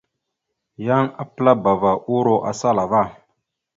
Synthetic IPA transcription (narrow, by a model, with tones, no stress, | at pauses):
ja˦ŋa˦pɨ˦la˦ba˨va˨ʔu˦ɾo˦ʔa̰˨sa˦la˨va˦˨